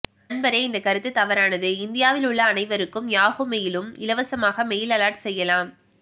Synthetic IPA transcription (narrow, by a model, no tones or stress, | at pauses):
ɐnbɐɾɐɪɪnd̪ɐkːɐɾɯt̪ːɯt̪ːɐʋɐɾaːnɐðɯɪnd̪ɪjaːʋɪlʊɭːɐːnɐɪʋɐɾɯkːɯmjaːɣɯmɐjɪlɯmɪlɐʋɐsɐmaːɣɐmɛjɪlɐlaːʈsɛjːɐlaːm